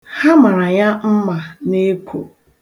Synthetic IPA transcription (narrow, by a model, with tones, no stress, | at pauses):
ha˦ma˨ɾa˨ɲa˦m̩˦ma˨ne˦kʰo̰˨